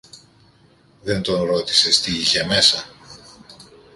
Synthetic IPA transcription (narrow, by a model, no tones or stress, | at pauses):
ðe̞nt̪o̞nɾo̞t̪i̥se̞st̪iiçe̞me̞sɐ